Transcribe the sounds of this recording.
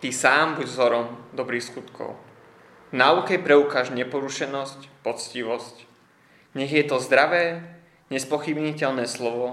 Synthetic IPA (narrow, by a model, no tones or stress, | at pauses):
t̪isaːmbuɟzɔɾɔmd̪ɔbɾiːxskut̪kʰɔ̰ʊ | naːukɛpɾɛukaːʒɲɛpɔɾuʃɛnɔscpɔt͡sciʋɔsc | ɲɛɣjɛt̪ɔzd̪ɾaʋɛː | ɲɛspɔxibɲicɛʎnɛːslɔʋɔ